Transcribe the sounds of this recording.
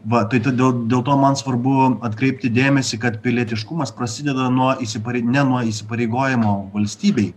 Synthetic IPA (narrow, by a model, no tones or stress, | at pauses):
ʋɐt̪ɐɪt̪ɐd̪ʲeːlˠd̪ʲeːlˠt̪oːmɐnsʋɐrbʊɐt̪kɾʲɛɪp̚ʲt̪ʲɪd̪ʲeːmʲɛsʲɪkɐt̪pʲɪlʲiɛt̪ʲɪʃkʊmɐspɾɐsʲɪd̪ʲɛd̪ɐnuɔisʲɪpɐɾʲɛɪnʲɛnuɔiːsʲɪpɐɾʲɛɪɡoːjɪmoːʋɐlʲsʲt̪ʲiːbʲɛɪ